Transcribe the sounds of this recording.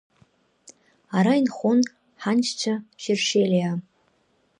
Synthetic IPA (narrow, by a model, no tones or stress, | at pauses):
aɾainχon | ħant͡ʃʰt͡ɕʷʰaʃɪrʂejlʲia